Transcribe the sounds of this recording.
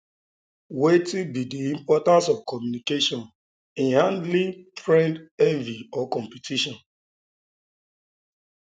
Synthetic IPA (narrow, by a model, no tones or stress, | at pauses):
wetibidiĩmpɔtãnsɔv̥kɔmjunikeʃɔ̃n | ĩnhãndlĩtɹɛ̃ndɛviɔkɔ̃mpitʰiʃɔ̃n